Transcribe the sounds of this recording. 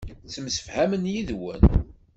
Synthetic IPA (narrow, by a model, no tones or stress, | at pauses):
t͡sːəmsə̥fhæmənjiðwə̰n